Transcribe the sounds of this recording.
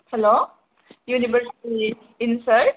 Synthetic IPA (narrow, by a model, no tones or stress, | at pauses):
hɛlo | juniʋəɾsiʈi | insəɾ